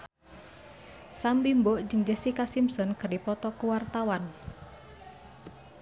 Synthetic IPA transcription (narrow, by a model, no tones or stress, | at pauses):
sambimboʔd͡ʒəŋd͡ʒəsikasimsɔnkərdipɔt̪ɔkuwart̪awan